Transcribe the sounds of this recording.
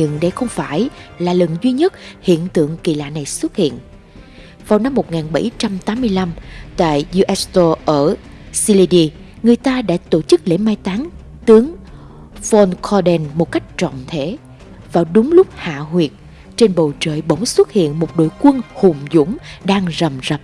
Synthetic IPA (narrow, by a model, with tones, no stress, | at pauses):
ɲɨ˧˨ŋɗə˧jxə˧wŋ͡mfaː˧˩jlaː˨˩lə˨˩nzwi˧ɲə˦˥t̚hḭ˧˨ənt̪ɨ̰˧˨əŋkḭ˧˨la̰ː˧˨na˨˩jswə˦˥t̚hḭ˧˨ən | vaː˨˩wna˧mːo˨˩t̚ŋaː˨˩nɓə˧˩jt͡ɕa˧mt̪aː˨˦mːɨ˧əjla˧mt̪a̰ː˧˨jzu˧ʔɛ˨˦˥st̪o˧ʔəː˧˩ | si˧li˧ɗi˧ | ŋɨ˨˩əjt̪aː˧ɗa̰ː˧˥t̪o˧˩t͡ɕɨ˦˥k̚lḛ˧˥maː˧jt̪aː˨˦ŋ | t̪ɨ˨˦əŋ | fɔ˧nkʰɔ˧ɗɛ˧nmo˨˩t̚ka˦˥jk̟̚t͡ɕɔ̰˧˨wŋ͡mt̪ʰe˧˥˦ | vaː˨˩wɗʊ˨˦ŋ͡mlʊ˦˥k͡p̚ha̰ː˧˨hwi˨˩ət̚ | t͡ɕe˧nɓo̰˧˨t͡ɕə̰ː˧˨jɓə˧˩wŋ͡mswə˦˥t̚hḭ˧˨ənmo˨˩t̚ɗo̰˧˨jkwə˧nhʊ˨˩ŋ͡mzʊ̰˧˥ŋ͡mɗaː˧ŋzə˨˩mzə˨˩p̚